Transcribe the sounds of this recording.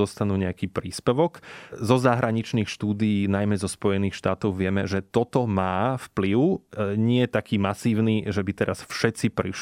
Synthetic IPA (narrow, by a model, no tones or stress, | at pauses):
ɔst̪anuːɲɛakiːpɾiːspɛʋɔkzɔzaɦɾaɲit͡ʃniːxʃt̪uːd̪ijiːnajmɛzɔspɔjɛniːxʃt̪aːt̪ɔʊʋɪɛmɛ̰ʒɛt̪ɔt̪ɔmaːfpliʊɲɪɛɛt̪akiːmasiːʊniːʒɛbit̪ɛɾasfʃɛt̪t͡sipɾiʃ